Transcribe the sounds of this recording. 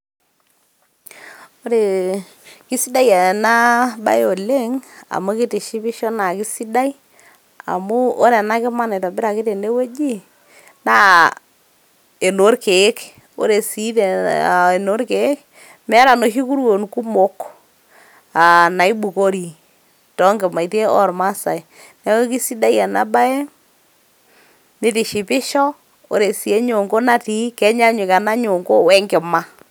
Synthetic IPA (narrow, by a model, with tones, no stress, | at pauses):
o˦ɾe˨ | kɪ˦si˦da˦ja˨na˦ba̰˦jo˨le˦ŋa̰˨mo˦kɪ˦te˨ʃi˦bɪ˦ʃɔ˦na˨kɪ˦si˦da˦i˦ | a̰˨mʊ˦o˦ɾe˨na˦kɪ˦ma˦nɪ˨tɔ˨bɪ˦ɾa˨kɪ˦te˨ne˦we˦d͡ʒi˦ | na˦ | e˨no˨˦ɾke˨˦k | o̰˦ɾe˨si˦te˨no˦ɾke˨˦k | mɛ˦a˦ɾa˨no˨ʃi˦ku˦ɾwo˨nku˦mo˦k | a˨na˨i˦bu˨ko˦ɾi˨ | tɔ˦ŋɡɪ˨ma˨i˨te˦ɔ̰˦ɾma˦sa̰˨ɪ˨ | nɛ˦o˦ki˦si˦da˦ja˨na̰˨ba˦ɛ˦ | nɪ˦tɪ˨ʃɪ˨pɪ˦ʃɔ˦ | o̰˨ɾe˨si˨e˦ɲo˨ŋɡo˦na˦ti˦kɛ˦ɲa˦ɲʊ˨ka˨na˦ɲo˨ŋɡo˦wɛ˦ŋɡɪ˨ma˦